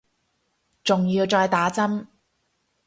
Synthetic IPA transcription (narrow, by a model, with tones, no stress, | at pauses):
t͡sʊ˨ŋjiː˧wt͡sɔː˧jt̪aː˨˥t͡sɐ˥m